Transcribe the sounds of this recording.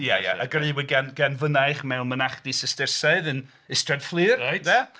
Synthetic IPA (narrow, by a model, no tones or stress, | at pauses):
jaja̰aɡrɨwɪɡɛnɡɛnvənajχmɛwnmənaχd̥isəstɪrsaɨðɨn | ɪstrad̥flˠɨːrajda